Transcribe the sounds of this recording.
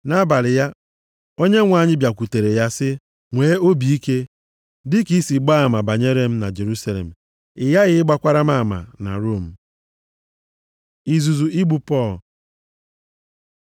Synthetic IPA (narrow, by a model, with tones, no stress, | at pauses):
na˦ba˨lɪ˨ja˦ | o˦ɲe˦ŋʷa˨ɲɪ˦bja˨kʷu˨te˨ɾe˨ja˦sɪ˦ | ŋʷeː˨˦o˦bi˨i˦ke˦ | dɪ˦ki˦si˨ɡ͡ba˦˨ma˨ba˨ɲe˦ɾe˦m̩˦na̰˨d͡ʒe˨ɾu˦sa˦lḛ˨m̩˨ | ɪ˨ja˦ɣɪ˦ɪ˦ɡ͡ba˦kʷa˦ɾa˦ma˦˨ma̰˨na̰˨ɾo˦˨m̩˨ | i˨zu˨zu˨i˦ɡ͡bu˨pɔ˦˨l